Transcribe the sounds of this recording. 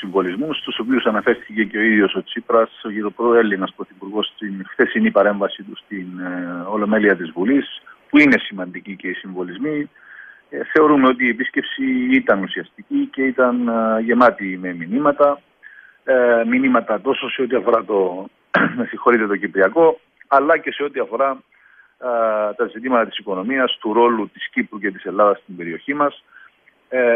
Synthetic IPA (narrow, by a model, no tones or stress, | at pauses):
siɱvo̞lizmust̪uso̞piusɐnɐfe̞ɾθice̞ce̞o̞iðjo̞so̞t͡sipɾɐsoitopɾoe̞lːinɐspɾo̞θipuɾɣo̞st̪inxθe̞sinipɐɾe̞ɱvɐsit̪ust̪ino̞lo̞me̞liɐt̪izvulispuine̞simɐnd̪icice̞isiɱvo̞lizmi | θe̞o̞ɾumeo̞t̪̬iːepisce̞psiit̪ɐnusiɐst̪icice̞it̪ɐnʝe̞mɐt̪ime̞minimɐt̪ɐ | minimɐt̪ɐt̪o̞so̞se̞ot̪iɐfo̞ɾɐt̪o̞ | siŋxo̞ɾit̪e̞t̪o̞cipɾiɐko̞ | ɐlːɐce̞se̞o̞t̪iɐfo̞ɾɐ | t̪ɐzit̪imɐt̪ɐt̪isiko̞no̞miɐst̪uɾo̞lut̪iscipɾuce̞t̪ise̞lːɐðɐst̪imbe̞ɾio̞çimɐs